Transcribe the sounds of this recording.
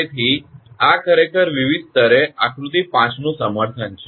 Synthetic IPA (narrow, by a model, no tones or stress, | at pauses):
et̪ʰiakʰəɾekəɾʋiʋid̪̚ʱt̪əɾeakɾut̪ipãt͡ʃnũsəməɾt̪ʰənt͡ʃʰe